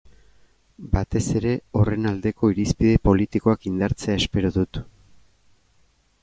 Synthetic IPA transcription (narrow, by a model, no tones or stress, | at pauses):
bat̪e̞se̞ɾe̞o̞re̞nald̪e̞ko̞iɾispiðe̞po̞lit̪iko̞akind̪aɾt͡se̞ae̞spe̞ɾoðut̪